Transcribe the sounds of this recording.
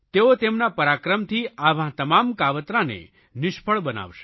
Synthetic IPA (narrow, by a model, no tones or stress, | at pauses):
t̪eot̪emnapəɾakɾəmt̪ʰiaʋ̤ãt̪əmamkaʋət̪ɾãnḛ | nɪʃpʰəɭbəna̰ʋʃe